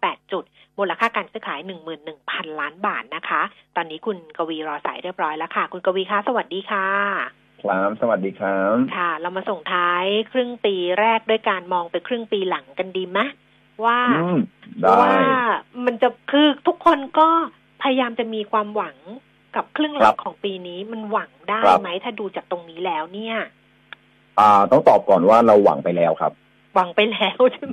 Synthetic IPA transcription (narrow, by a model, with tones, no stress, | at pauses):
pɛː˨˩t̪̚t͡ɕu˨˩t̪̚moː˧nla˧kʰaː˥˩kaː˧nsɯː˦˥kʰaː˩˦jnɯ˨˩ŋmɯː˨˩nːɯ˨˩ŋpʰa˧nlaː˦˥nbaː˨˩t̪̚na˦˥kʰa˦˥t̪ɔː˧nːiː˦˥kʰu˧nka˧wiː˧ɾɔː˧sa̰ː˩˦jɾi˥˩əp̚ɾɔː˦˥jlɛ˦˥kʰa˥˩kʰu˧nka˧wiː˧kʰa˦˥˩sa˧wa˨˩t̪̚diː˧kʰaː˥˩ | kʰlaː˦˥msa˧wa˨t̪̚diː˧kʰa˦˥kʰa˥˩ɾa˧wmaː˧so˨˩ŋt̪ʰaː˦˥jkʰɾɯ˥˩ŋpiː˧ɾɛː˥˩k̚du˥˩əjkaː˧nmɔː˧ŋpa˧nkʰɾɯ˥˩ŋpiː˧la˩˦ŋka˧ndiː˧ma˦˥ | waː˥˩˧mda˧˦waː˥˩ma˧nt͡ɕa˨˩kʰɯː˧t̪ʰu˦˥kʰːo˧nkɔː˥˩ | pʰa˧ja˧jaː˧mt͡ɕa˨˩ʔmiː˧kʰwaː˧mwa˩˦ŋ | ka˨˩p̚kʰɾɯ˥˩əŋla˦˥kʰɔː˩˦ŋpiː˧niː˦˥ma˧nwa˩˦ŋdaː˥jma˦˥jt̪ʰaː˥˩duː˧t͡ɕaː˨˩k̚t̪o˧ŋniː˦˥lɛː˦˥wni˥˩ɐ | ʔaː˨˩t̪ɔ˥˩ŋt̪ɔː˨˩p̚kɔː˨˩nwaː˥˩ɾa˧wːa̰˩˦ŋpa˧jlɛː˦˥wkʰa̰˦˥p̚ | wa˩˦ŋpa˧jlɛː˦˥wt͡ɕʰɯ˥ŋ